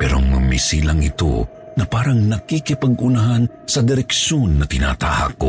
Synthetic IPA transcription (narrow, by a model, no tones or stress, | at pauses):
pɛːɾomɐmisilaŋɪt̪o̰ | nɐpaːɾɐŋnɐkikɪpɐɡʊnaɦan | sɐd̪ɪɾɛkʃonːɐt̪ɪna̰ːt̪a̰ːha̰ko̰